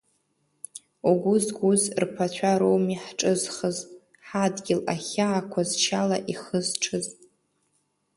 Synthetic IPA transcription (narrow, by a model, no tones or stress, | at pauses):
oɡʷʊzɡʷuzrpʰat͡ɕʷᶣʰaɾowmiħʈ͡ʂʼɨzχəzʼ | ħadɡʲɪlaχʲaːkʷʰazt͡ʃʰalaʔiχəzʈ͡ʂʰɨzʼ